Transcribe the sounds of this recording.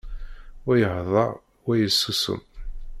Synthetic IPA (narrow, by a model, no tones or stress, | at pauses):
wæjəhðˤɑ̰ | wæjəsːusə̰m